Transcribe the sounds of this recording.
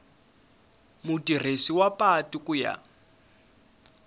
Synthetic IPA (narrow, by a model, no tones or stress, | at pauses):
mutʼir̤esiwapʼatʼikʼuja̰